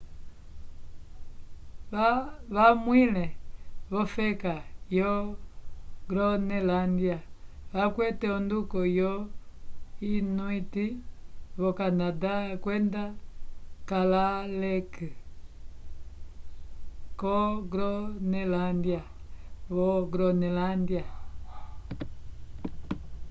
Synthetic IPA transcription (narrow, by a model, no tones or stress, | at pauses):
aβamwilɛβɔfɛkajɔ | ɡɾɔnɛlandjaβakwɛtɛɔndukɔjɔ | inuitiβɔkanadakwɛnda | kalalɛkɛ | kɔɡɾɔnɛlandjaβɔɡɾɔnɛlandja